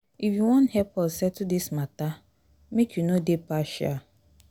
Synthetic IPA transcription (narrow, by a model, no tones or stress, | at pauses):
ifjuwɔ̃nhɛpʰɔlsɛd̚tudismata | mekʰjunodepaʃa̰